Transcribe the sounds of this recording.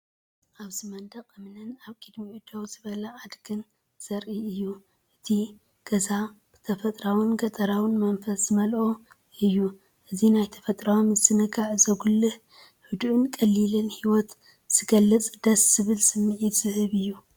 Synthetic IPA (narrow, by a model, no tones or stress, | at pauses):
ʔaβzɨmɐnd̪ɐqʼɨmnɨnaβkʼɨd̪miʕud̪owzɨβɐlɐʕad̪ɡɨn | z̥ɐɾʔiɨjːu | ʔɨt̪ʰi | ɡ̥ɐzab̥ɨt̪ʰɐfɐt̪ʼɾawɨnɡɐt̪ʼɐɾawɨnmɐnfɐszɨmɐlʔo | ɨjːu | ʔɨzinajt̪ʰɐ̥fɐt̪ʼɾawmɨzɨnɨɡaʕzɐɡulːɨh | ħud̪ʕɨnkʼɐlːilɨnhiwɔt̪ | z̥ɨɡɐlːɨt͡sʼd̪̥ɐsz̥ɨβɨlsɨmːɨʕit̪z̥ɨhɨβɨjːu